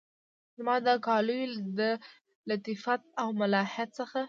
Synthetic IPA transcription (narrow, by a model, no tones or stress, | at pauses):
zmɑd̪əkɑləjid̪ə | lat̪ifat̪̚awmalɑhjat̪səxa